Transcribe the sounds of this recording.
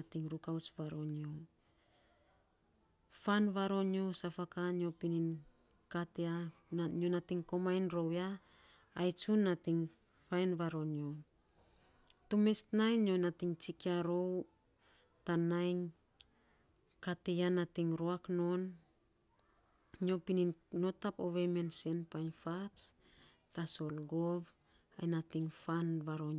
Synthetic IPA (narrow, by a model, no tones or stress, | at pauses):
atiŋɾukawt͡ʃβaɾo̞no | fanβaɾo̞ɲio̞safakaɲiopinin | kateaɲonatiŋko̞majnɾo̞waː | jt͡ʃunːatiŋ | fajnβaɾo̞ɲio | tume̞stnajnjo̞natiŋt͡ʃikiaɾo̞w | tanajn | katejanatiŋɾoakno̞n | ɲo̞pininno̞tapoβemense̞npajnfat͡ʃ | taso̞lɡov | ajnatiŋfanβaɾon